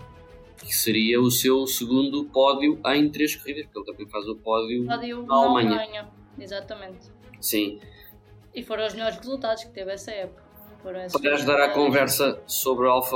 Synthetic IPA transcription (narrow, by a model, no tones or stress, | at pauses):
kɨ̥sɨɾiɐusewsɨɣũnd̪upɔðjuʔɐ̃j̃t̪ɾeʃkuʁiðɐʃpuɾkelˠt̪ɐ̃mbɐ̃j̃fazupɔðjuɔðjuamɐ̃ɲɐ̃ɲɐ̃ | izat̪ɐmẽnt̪ | sĩ | ifoɾɐ̃w̃uʒmʎɔɾʃʁɨzulˠt̪aðuʃkɨt̪evɛsɐɛpu̥kɐ | foɾɐ̃w̃ɛspɐðaʒðaɾakõvɛɾsɐsoβɾualˠfɐ